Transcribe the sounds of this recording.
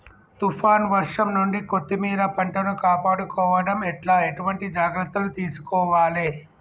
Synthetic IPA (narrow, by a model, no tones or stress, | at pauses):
t̪upʰaːnʋɐɾʂɐmnuɳɖikot̪ːimiːɾɐpɐɳʈɐnukaːpaːɽukɔːʋɐɽɐmɛʈlaːeʈuʋɐɳʈid͡ʒaːɡɾɐt̪ːɐlut̪iːsu̥kɔːʋaːleː